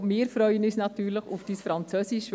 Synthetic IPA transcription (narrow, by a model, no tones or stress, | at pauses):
mɪːɾfɾœʏənisnɑtyːɾləχufd̥iːsfɾɑnt͡søsiʃ